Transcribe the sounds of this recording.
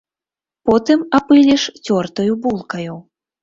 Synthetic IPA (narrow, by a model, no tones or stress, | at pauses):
pɔt̪ɨmapɨlʲɛʂt͡sʲɔrt̪ɐjubulˠkɐju